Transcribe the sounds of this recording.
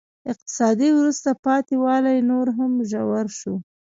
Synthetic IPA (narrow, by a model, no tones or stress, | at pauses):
ɪq̚t̪ɪ̥sɑd̪iwɾust̪apɑt̪ewɑlajnoɾɦamʒawaɾʃu